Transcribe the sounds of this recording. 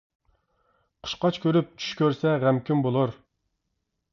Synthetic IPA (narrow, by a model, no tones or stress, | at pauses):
qʰə̥ʃqɑt͡ʃkʲʰøɾyp̚t͡ʃʰy̥ʃkʲøɾsɛʁɛmkʲʰymbolˠuɾ